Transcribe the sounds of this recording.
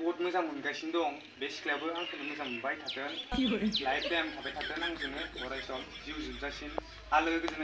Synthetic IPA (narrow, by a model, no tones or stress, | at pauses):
bɔtmɯzamunɡajsindɔŋ | beskʰlabɯɾaŋkʰɯnɯmɯzamubajtʰatɯnibɯɾlajp̚amtʰabajtʰatɯnaŋzɯnɯɔɾajsɔŋ | ziuzɯmzasin | alɯɡɯɡɯzɯnɯ